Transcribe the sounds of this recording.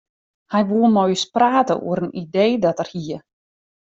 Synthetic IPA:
hɛjʋuəlˠnɔjspraːtə̰ʔṵəɾənidejdɔtərhiə

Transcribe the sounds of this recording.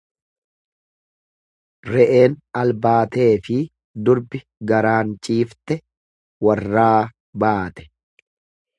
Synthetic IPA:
ɾɛʔe̞ːnɐlbaːt̪e̞ːfɪ | d̪ʊɾbɪ | ɡɐɾaːnt͡ʃʼiːft̪ɛ | wɐrːaː | baːt̪ɛ̥

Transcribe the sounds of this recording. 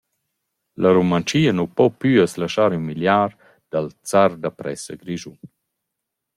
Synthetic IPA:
laɾumant͡ʃiːənupɔpyːəslaʃaːɾymiljaːɾ | d̪̥alt͡saɾd̪apɾɛ̰səɡɾiʒun

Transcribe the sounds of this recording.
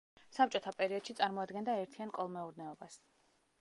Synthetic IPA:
sap̚t͡ʃʼɔt̪ʰapʼɛɾiɔd̪̥ʃit̪sʼaɾmɔad̪ɡɛnd̪aɛɾt̪ʰiankʼɔlˠmɛuɾnɛɔbas

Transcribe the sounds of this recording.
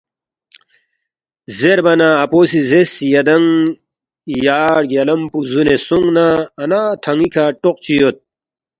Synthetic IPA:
zeɾbɐnaːposizesjɐd̪ɐŋ | jaːɽɡɐlɐmpuzunesuŋɡnaːnat̪ʰɐŋikʰaʈoqt͡ɕijot̪̚

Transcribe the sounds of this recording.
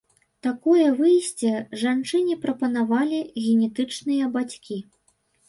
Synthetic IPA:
t̪akɔjɐvɨjsʲt͡sʲɛʐant͡ʂɨnʲipɾɐpɐnavalʲiɣʲɛnʲɛt̪ɨt͡ʂnɨjɐbat͡sʲkʲi

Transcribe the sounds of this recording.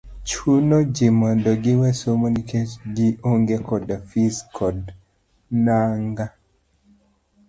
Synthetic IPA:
t͡ʃunod͡ʒimandɔɡɪwɛsomonikʰet͡ʃɡiʔoŋɡekɔdafiskʰɔd | naŋɡa

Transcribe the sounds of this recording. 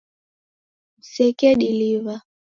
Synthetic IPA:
m̩sɛkɛɗiliva

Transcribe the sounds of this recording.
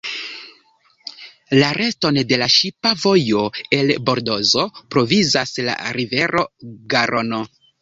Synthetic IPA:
laɾe̞sto̞nde̞laʃipavo̞jo̞e̞lbo̞ɾdo̞zo̞pɾo̞vizasla̰ɾive̞ɾʔo̞ɡaɾʔo̞no̞

